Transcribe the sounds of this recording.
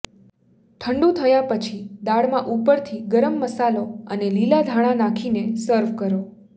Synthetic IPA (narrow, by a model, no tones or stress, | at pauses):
ʈʰəɳɖũt̪ʰəjapət͡ʃʰid̪aɽmãʔupəɾt̪ʰiɡəɾəmːəsaloənelilad̪ʱaɽ̃ãnãkʰinesəɾʋkəɾo